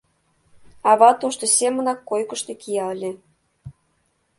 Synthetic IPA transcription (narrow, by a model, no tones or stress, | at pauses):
ɑβɑt̪oʃt̪osʲemə̆nɑkːojkəʃt̪ekijɑlʲe